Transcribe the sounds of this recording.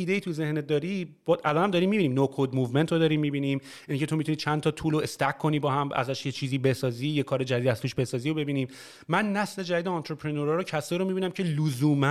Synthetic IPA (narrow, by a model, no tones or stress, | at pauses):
iːd̪eiːt̪ʰuzehned̪ɒːɾibɒʔælɒːnhæmd̪ɒːɾiːmibiːniːmnokʰod̪muːvment̪ʰod̪ɒːɾiːmːibiːniːm | incʰe̞t̪omit̪uniːt͡ʃʰænt̪ʰɒːt̪ʰuːloest̪ækʰːo̞niːbɒːɦæmʔæ̰zæʃjet͡ʃʰiːziːbe̞sɒːziːjekʰɒːɾe̞d͡ʒæd̪iːd̪æst̪uːʃbe̞sɒːziːobe̞biːniːm | mænːæsle̞d͡ʒædiːd̪eɒnt̪ʰɾepʰɾenoɾɒːɾocʰæseɾomibiːnæmcʰeluzuːmæ